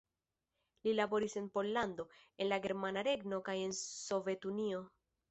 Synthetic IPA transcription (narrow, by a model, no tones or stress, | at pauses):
lilabo̞ɾise̞npo̞lːando̞e̞nlaɡe̞ɾmanaɾe̞ɡno̞kaje̞nso̞ve̞tunio̞